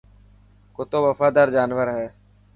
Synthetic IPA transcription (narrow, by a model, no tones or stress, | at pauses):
kʊt̪oːʋəfaːd̪aːɾd͡ʒaːnʋəɾɦɛː